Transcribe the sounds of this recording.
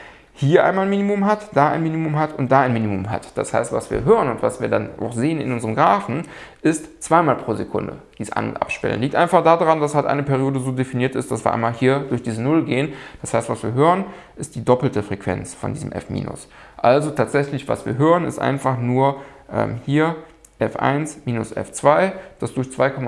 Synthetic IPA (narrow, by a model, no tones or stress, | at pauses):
hiːɐʔa̰ɪnmalnmiːnimʊmɦatd̥aːʔa̰ɪnmiːnimʊmɦatʰʊntd̥aːaɪnmiːnimʊmɦa̰td̥a̰sha̰ɪstv̥asv̥iːɐɦøːʁənʊntv̥a̰sv̥iːɐdana̰ʊxz̥eːənɪ̰nʔʊnzəʁəmɡʁaːfn̩ | ʔɪstt͡sv̥aɪmaːlpʁ̥oːzekʰʊ̰ndə̰d̥iːsʔa̰nʊ̰ntʔa̰pʃpɛ̰lənliːk̚tʔa̰ɪnfaχd̥aːdaʁandashaltʔa̰ɪnəpʰɛɐʁjoːdəzoːdefiniːɐtɪstd̥as̬viːɐa̰ɪmaːlhiːɐdʊɐçd̥iːzənʊlɡeːənd̥ashaɪstv̥asv̥iːɐɦøːʁən | ʔɪst̚d̥iːdɔpl̩təfʁ̥ɛkv̥ɛ̰nt͡sfɔ̰ndiːzəmʔɛ̰fmḭːnʔʊ̰s | ʔalzotʰaːtz̥ɛçlɪçv̥a̰sv̥ḭːɐɦøːʁ̞ənɪ̰stʔa̰ɪnfaχnuːɐ | ʔɛ̰ːmhiːɐ | ʔɛfʔa̰ɪnsmiːnʊsʔɛ̰ft͡sv̥aɪd̥asd̥ʊɐçt͡sv̥aɪkʰɔma